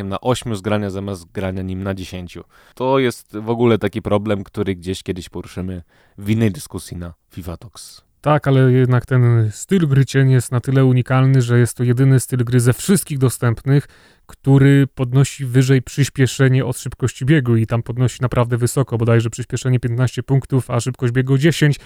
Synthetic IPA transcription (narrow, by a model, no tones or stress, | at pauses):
ɛmnaʔɔɕmʲuzɡɾaɲazamʲjasɡɾaɲaɲimnad͡ʑeɕeɲt͡ɕu | t̪ɔjɛst̪vɔɡulɛt̪akʲipɾɔblɛmkt̪uɾɘɡd͡ʑeɕkʲɛd̪ɘɕpɔɾuʂɘmɘ | vʲinːɛjd̪ɘskusʲjinafʲivat̪ɔks | t̪akalɛjɛd̪nakt̪ɛnst̪ɘlɡɾɘt͡ɕɛɲjɛst̪nat̪ɘlɛuɲikalnɘʐɛjɛst̪ːɔjɛd̪ɘnɘst̪ɘlɡɾɘzɛfʂɘst̪̚kʲiɣd̪ɔst̪ɛmpnɘx | kt̪uɾɘpɔd̪nɔɕivɘʐɛjpʂɘɕpʲjɛʂɛɲɛʔɔt̪ʂɘpkɔɕt͡ɕibʲjeɡuit̪ampɔd̪nɔɕi̥napɾʔavd̪ɛvɘsɔkɔbɔd̪ajʐɛpʂɘɕpʲjɛʂɛɲɛpʲjɛnt̪naɕt͡ɕɛpuŋkt̪ufaʂɘp̚kɔʑd͡ʑbʲjɛɡɔd͡ʑeɕeɲt͡ɕ